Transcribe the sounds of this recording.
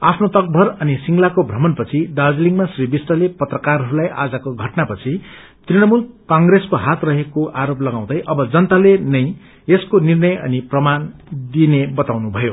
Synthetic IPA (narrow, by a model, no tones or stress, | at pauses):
apʰnot̪ʌk̚bʱʌrʌnisiŋlakobʱrʌmʌnpʌt͡sʰid̪ad͡zliŋɡmasribisʈʌlepʌt̪rʌkarɦʌɾulajʔa̰d͡zʌkoɡʱʌʈnapʌt͡sʰi | t̪rinʌmulkaŋɡreskoɦat̪rʌɦekoʔaɾoplʌɡãw̃d̪ʌjʔʌbʌd͡zʌnt̪alenʌj | eskonirnʌjʌ̰niprʌmand̪inebʌt̪awnubʱʌjo